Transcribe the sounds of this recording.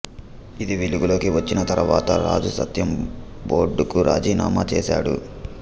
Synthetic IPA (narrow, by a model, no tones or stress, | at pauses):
id̪iʋeluɡulo̞ːkiʋɐt͡ʃːinɐt̪ɐɾuʋaːt̪ɐɾaːd͡ʒusɐ̰t̪jɐmboːɖukuɾʔaːd͡ʒiːna̰ːma̰ːt͡ʃɛːsa̰ːɽṵ